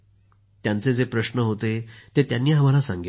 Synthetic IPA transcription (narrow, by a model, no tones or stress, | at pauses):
t̪jãnt͡sed͡zepɾəɕnəɦot̪et̪et̪janːiːɦəmalasãŋɡi